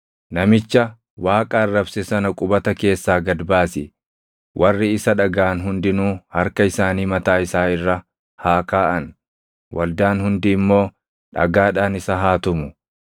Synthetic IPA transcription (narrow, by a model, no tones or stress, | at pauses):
nɐmɪt͡ʃːɐ | waːkʼaːrːɐbsɛsɐnɐkʼʊbɐt̪ɐke̞ːsːaːɡɐd̪baːsɪ | wʔɐrːɪɪsɐᶑɐɡaːnɦʊnd̪ɪnuːhɐɾkɐɪsaːniːmɐt̪aːɪsaːɪrːɐ | haːkaːʔɐn | wʔɐld̪aːnhʊnd̪ɪːmːo̞ː | ᶑɐ̰ɡaːᶑaːnɪsɐɦaːt̪ʊmʊ